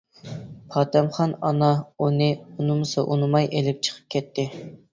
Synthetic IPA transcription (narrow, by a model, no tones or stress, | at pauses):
pʰɑːt̪ʰɛmχɑnɑnɑunɨunɨmʊsɨʔunɨmɑjʔelɪp̚t͡ʃʰə̥qʰə̥p̚kʲʰɛt̪ʰːɪ